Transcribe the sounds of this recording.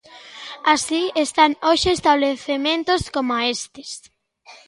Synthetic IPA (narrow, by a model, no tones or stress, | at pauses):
asiest̪anoʃɪːst̪aβleθemẽnt̪oskomoaest̪ɪ̥s